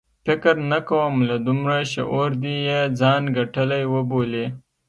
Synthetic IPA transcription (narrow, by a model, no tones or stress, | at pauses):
fɪkɾnakawəmlad̪ʊmɾaʃḛʔoɾd̪ijed͡zɑnɡaʈəlajwəbole